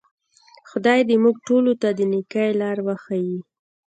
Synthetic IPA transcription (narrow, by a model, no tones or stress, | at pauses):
xʊd̪ɑjd̪emuɡ̚ʈolot̪ad̪ənikajlɑɾwaxawi